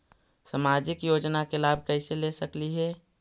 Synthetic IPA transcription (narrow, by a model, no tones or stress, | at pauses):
samad͡ʒɪkjod͡ʒnakelab̚ʱkəɪselesəkliɦɛ